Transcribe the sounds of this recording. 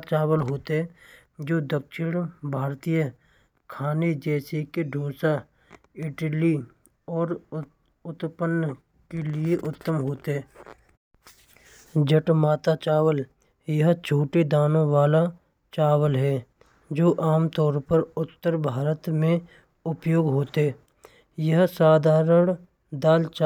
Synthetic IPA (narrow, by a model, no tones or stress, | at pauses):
t͡ʃaːwəlɦoːt̪eɦɛ | d͡ʒoːd̪əkʃɪɽ̃bʱaːɾt̪ijə | kʰaːned͡ʒɛːsekeɖʱoːsa | ɪʈəli | ɔːɾ | ʊt̪pən | kelieʔʊt̪ːəmɦoːt̪eɦɛː | d͡ʒəʈmaːt̪at͡ʃaːwəl | jəɦt͡ʃʰoːʈed̪aːnõʋaːla | t͡ʃaːwəlɦɛː | d͡ʒoːʔaːmt̪ɔːɾpəɾʊt̪ːəɾbʱaːɾət̪mẽ | ʊpjoːɡɦoːt̪eɦɛ | jəɦsaːd̪ʱaːɾəɽ | d̪aːlt͡ʃː